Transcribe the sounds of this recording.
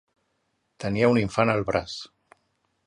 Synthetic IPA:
t̪əniəuniɱfanəlˠβɾas

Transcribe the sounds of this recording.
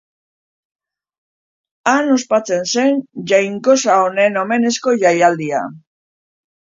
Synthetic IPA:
ano̞spat͡se̞nse̞nʝajŋko̞saone̞no̞me̞ne̞sko̞ʝajald̪ia̰

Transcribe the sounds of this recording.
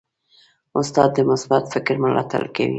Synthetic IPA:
ʊst̪ɑd̪ːəmʊsbat̪fɪkɾməlɑ̰t̪a̰lka̰wḭ

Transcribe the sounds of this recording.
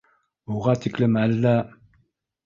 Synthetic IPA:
uʁɑt̪ʰɪkʲlɪmælːæ

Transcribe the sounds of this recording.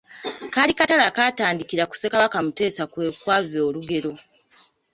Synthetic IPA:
kalikatalakaːtaːndikiɾaku̥se̞kaβakamute̞ːsakwe̞kwavo̞ːluɡe̞ɾo̞

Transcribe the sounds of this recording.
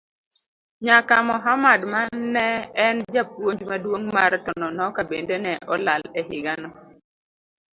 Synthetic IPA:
ɲakamɔɦamadmanːɛɛnd͡ʒapwoɲd͡ʒmadwoŋmartɔnɔnɔkabendenɛʔɔlalɛɦɪɡanɔ

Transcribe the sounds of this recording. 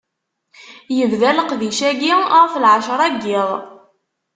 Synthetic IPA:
jəvðæləqðiʃæɡiəʁflʕaʃɾˤæɡːɪðˤ

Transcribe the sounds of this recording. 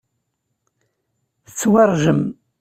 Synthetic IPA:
θət͡sːwɑrˤʒəm

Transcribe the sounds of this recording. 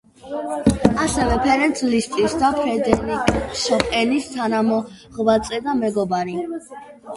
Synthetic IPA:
asɛvɛpʰɛɾɛnt̪ʰlist̪ʼisd̪apʰɾɛd̪ɛɾikʼʃɔpʼɛnist̪ʰanamɔ | ʁbat̪sʼɛd̪amɛɡɔbaɾi

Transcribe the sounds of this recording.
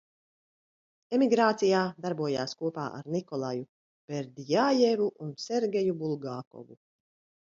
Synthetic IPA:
ɛmiɡɾaːt̪sijaːd̪aɾbuɔja̰ːskuɔpa̰ːʔa̰ɾnikɔlˠaju | b̥eɾd̪ijaːjevuʔunseɾɡʲɛjubulˠɡaːkɔ̰vṵ

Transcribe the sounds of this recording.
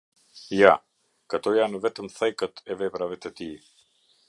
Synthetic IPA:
ja | kat̪ɔjanəvɛt̪əmθɛjkət̪ɛvɛpɾavɛt̪ɛt̪i

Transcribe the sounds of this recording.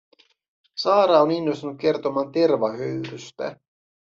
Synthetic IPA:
sɑːɾɑːoninːo̞st̪unuk̚ke̞rt̪o̞mɑːnt̪e̞rʋɑhøɥɾyst̪æ̰

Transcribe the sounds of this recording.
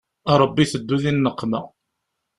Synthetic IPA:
ɾˤəbːiθəd̪ːuðinːəqːmæ

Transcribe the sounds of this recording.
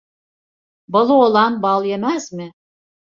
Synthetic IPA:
bɤ̆lˠolˠɑnbɑlˠjemæsmɘ

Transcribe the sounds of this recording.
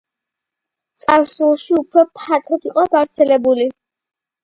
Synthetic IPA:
t̪sʼaɾsulˠʃiupʰɾɔpʰaɾt̪ʰɔt̪iqʼɔɡavɾt̪sʰɛlɛbuli

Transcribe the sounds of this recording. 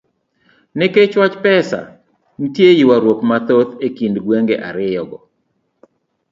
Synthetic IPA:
nɪket͡ʃwat͡ʃpɛsa̰ | n̩tjejiwaɾwopmat̪ot̪ekindɡweŋɡeʔaɾɪjɔɡɔ

